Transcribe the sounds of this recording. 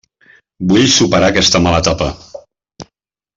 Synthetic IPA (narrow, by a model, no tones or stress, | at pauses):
buʎsupəɾakɛst̪əmalət̪apə